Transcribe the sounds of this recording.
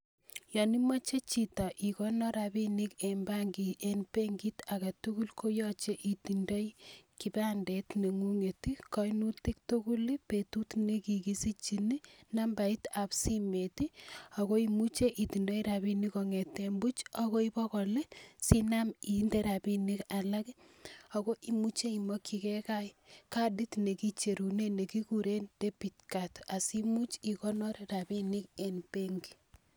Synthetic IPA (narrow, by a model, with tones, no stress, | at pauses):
jɔ˨ni˦mɔ˦t͡ʃe˦t͡ʃita˨ʔi˨konɔ˦ɾabi˦ni˦kemba˦ŋɡi˨ʔenpe˦ŋɡitaka˨tuku˦lkʰo˦jɔt͡ʃe˦ʔi˨ti˨ndo˦jki˨ba˦ndetne˨ŋu˦ŋe˨tikɔ˦inu˦ti˦k̚to˦ku˦lipetutne˦ki˨kisi˦t͡ʃi˨ni˦na˦mba˨itapsime˨tia˨ko˦i˦mu˦t͡ʃe˦ʔi˨ti˨ndo˦iɾa˨bi˦nikɔ˨ŋe˨tːembu˦t͡ʃɔ˦kɔ˦i˦bɔ˦kɔ˨le˦si˦na˦mi˨nde˦ɾa˨bi˦ni˦ka˨la˦k | o˨kɔ˦ʔi˨mu˦t͡ʃe˦i˨mo˦kʰi˨kɛ˦ka˦jka˦di˦tne˨ki˦t͡ʃe˨ɾu˨ne˦ne˨ki˦ku˨ɾe˦nde˦pi˨t̚kata˨si˦mu˦t͡ʃi˨kɔ˦nɔ˦ɾɾa˨bi˦ni˦ke˨npe˦ŋɡi˨